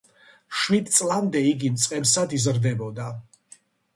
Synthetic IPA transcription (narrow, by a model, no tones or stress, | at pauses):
ʃwid̪̚t̪sʼlˠamd̪ɛiɡimt̪sʼqʼɛpsad̪izɾd̪ɛbɔd̪a